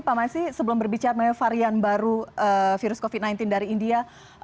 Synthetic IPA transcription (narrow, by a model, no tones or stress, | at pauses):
pamasisəbəlʊmbərbit͡ʃaɾamaafaɾianbaɾuʔəfiɾʊskofit̪̚najnt̪ɪndaɾiːndia